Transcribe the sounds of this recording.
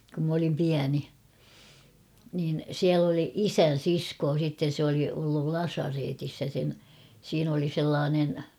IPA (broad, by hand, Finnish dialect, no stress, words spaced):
kum m olim piæni niːn siæl oli isæn̞ siskoː sitːen̞ se oli olːul lɑsɑreːtis jɑ sen siːn oli selːɑːnen